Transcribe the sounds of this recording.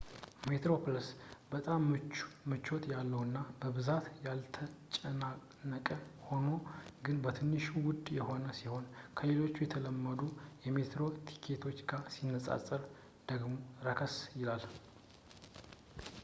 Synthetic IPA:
met̪ɾo̞pʰləsbət̪ʼammɨt͡ʃːot̪jalːəwɨnːabəβɨzat̪jalt̪ʰət͡ʃʼəna | nəkʼəho̞no̞ɡɨnbət̪ʰɨnːɨʃuwʊd̪jɛho̞nəsiho̞nkʰəlelo̞t͡ʃːujɛt̪ʰələmːəd̪ujɛme̞t̪ɾo̞t̪ʰi̥kʰe̞t̪ʰo̞t͡ʃːɡasinːəsʼa̰sʼəɾ | d̪̥əɡmoɾəkʰəsjɪlal

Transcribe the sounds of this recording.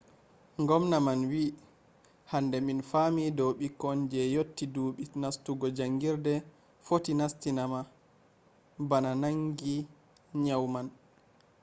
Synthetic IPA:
ŋɡɔmnamanwi | handɛminfamidɔwɓikɔnd͡ʒɛjotːiduːɓinastuɡɔd͡ʒaŋɡiɾdɛ | fotinastinama | bananaŋɡi | ɲawman

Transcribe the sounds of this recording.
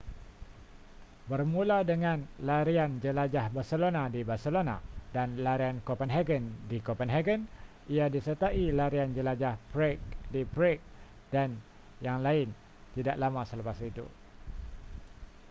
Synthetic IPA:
bərmũladəŋãnlaɾiand͡ʒəlad͡ʒahbarsəlonadibarsəlona̰danlaɾiankopənɦɛɡəndikopənɦɛɡən | ʔiadisət̪aʔilaɾiand͡ʒəlad͡ʒahpɾek̚dipɾɛk̚ | d̥an | jaŋlaɪn | t̪idaʔlamãsələpasit̪ṵ

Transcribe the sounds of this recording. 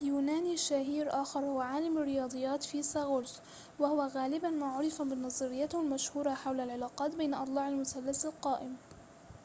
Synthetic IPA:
juːnaːniʃaɦiːɾʔaːxɑɾˤhʊwaʕaːlɪmarːɪjɑːd̪ˤɨjːaːt̪fiːsaɣʊls | wahʊwaɣaːlɪbanmaːʕʊɾˤɪfamɪnːɑzˤɨɾɪjːahʊlmaʃhuːɾˤɑħawlalʕalaːqɑːt̪bejnʔɑt̪ˤlɑːʕalmʊsalːasalqɑːʔɪm

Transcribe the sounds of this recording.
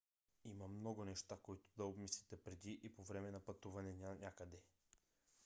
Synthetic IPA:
imɐmnɔɡʊnɛʃt̪akoit̪ʊ̥d̪ɐobmislʲit̪ɛpɾɛd̪iʔipovɾɛmɛnɐpɐt̪uvɐnɛnʲnʲakəd̪ɛ

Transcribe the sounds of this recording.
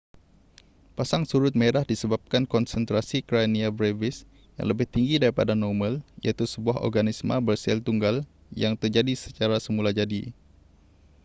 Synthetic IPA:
pasaŋsuɾʊt̪̚meɾahdisəbap̚kankɔnsənt̪ɾasikɾaniabɾevɪs | ja̰ŋləbɪht̪iŋɡidaɾipadanɔmə̃ljʔa̰t̪usəbuaɦɔ̰rɡanismə̰̃bərsɛlt̪uŋɡal | jaŋt̪ərd͡ʒadisə̥t͡ʃaɾasəmulad͡ʒadi

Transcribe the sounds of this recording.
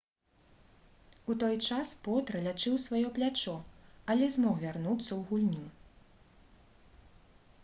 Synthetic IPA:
ut̪ɔjt͡ʂaspɔt̪ɾɐlʲat͡ʂɨwsvajɔplʲat͡ʂɔɐlʲɛzmɔwvʲarnut̪sːɐwɣulʲnʲi

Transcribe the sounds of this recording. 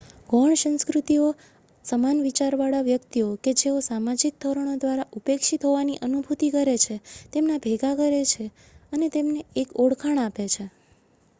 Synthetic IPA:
ɡʱɔɳsə̃nskɾut̪io | səmanʋit͡ʃaɾʋaɭaʋjəkt̪ioked͡ʒeosamad͡ʒik̚t̪ʰəɾəɳ̃od̪ʋaɾaʔupekʃit̪ɦoʋaniʔənubʱut̪ikəɾet͡ʃʰet̪emnabʱeɡakəɾet͡ʃʰe | ənet̪emneːkoɽkʰaɳapet͡ʃʰe

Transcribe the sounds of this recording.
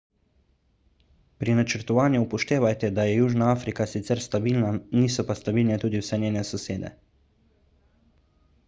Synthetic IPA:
pɾinat͡ʃəɾt̪ɔʋaːnjuːpɔʃt̪eːʋajt̪ɛd̪ajɛjuːʒnaaːfɾikasit̪sɛɾst̪abilnaniːsɔpast̪abiːlnɛt̪uːd̪iwsɛnʲeːnɛsɔseːd̪ɛ̰

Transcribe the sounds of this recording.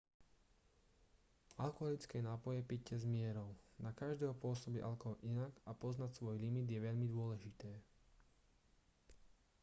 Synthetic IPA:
alkɔɦɔlit͡skɛːnaːpɔjɛpic̚cːɛzmɪɛɾɔʊnakaʒd̪ɛːɦɔpʊɔsɔbiʔa̰lkɔɦɔʔinaɡapɔznacsʋɔjlimid̪jɛʋɛʎmid̪ʊɔlɛʒit̪ɛː

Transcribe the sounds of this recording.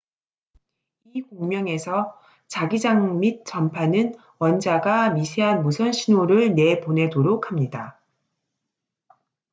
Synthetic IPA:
ikoŋmjʌŋe̞sʰʌ | t͡ɕaɡid͡ʑaŋmit̚t͡ɕ͈ʌmpʰanɯn | wʌnd͡ʑaɡamisʰe̞ɦanmusʰʌnɕʰinoɾɯɭne̞pone̞doɾokʰamɲida

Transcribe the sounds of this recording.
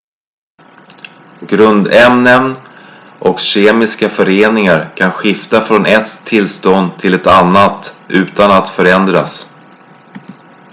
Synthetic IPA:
ɡɾɵnd̪ɛmnən | ʔɔkɕeːmɪskafœɾeːnɪŋaɾkʰanɧɪft̪afɾɔnʔɛt̪ʰːɪlst̪ɔnd̪t̪ʰɪlɛt̪anːat̪ʔʉ̟ːt̪anat̪fœɾɛnd̪ɾas

